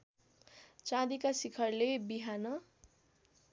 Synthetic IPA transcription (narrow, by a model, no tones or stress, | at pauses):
t͡sãd̪ikasikʰʌrlebiɦanʌ